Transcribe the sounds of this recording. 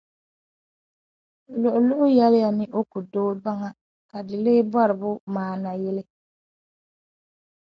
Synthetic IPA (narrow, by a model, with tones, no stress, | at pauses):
lʊ˨ʔʊ˨lʊ˦ʔʊ˦jɛ˦lɪ˦ja˨nɪ˦ʔo˦ku˨doː˦ba˦ŋa˦˨ | ka˨dɪ˨lɪː˦bɔ˦ɾɪ˨bʊ˦maː˨na˨jɪ˦lɪ˦